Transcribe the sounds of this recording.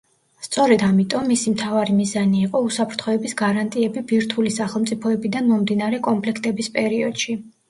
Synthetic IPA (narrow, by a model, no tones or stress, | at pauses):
st̪sʼɔɾɛd̪amit̪ʼɔmːisimt̪ʰavaɾimizaniːqʼɔusapʰɾt̪ʰχɔɛbisɡaɾant̪ʼiɛbibiɾt̪ʰulisaχɛlˠmt̪sʼipʰɔɛbid̪anmɔmd̪inaɾɛkʼɔmpʰlɛkʰt̪ʼɛbispʼɛɾiɔd̪̥ʃi